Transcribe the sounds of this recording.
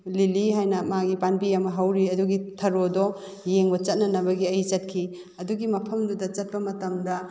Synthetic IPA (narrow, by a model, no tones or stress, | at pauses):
liliɦajnɐmaɡipanbiɐmɐɦɐwɾiɐduɡitʰɐɾodɔ | jeŋbɐt͡ʃɐt̚nɐnɐβɐɡiɐjt͡ʃɐt̚kʰi | ɐduɡimɐpʰɐmdudɐt͡ʃɐt̚pɐmɐtɐmdɐ